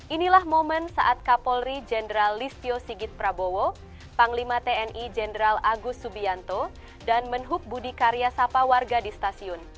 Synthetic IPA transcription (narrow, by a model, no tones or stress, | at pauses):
ʔinilahmomənsa̰ʔat̪̚kapɔlɾid͡ʒɛndəɾalːist̪iosiɡit̪̚pɾabowo | paŋlimat̪eɛnid͡ʒɛndɾalaɡʊsubiant̪ɔ | danmənɦʊk̚budikaɾiasapawarɡadist̪asiʊn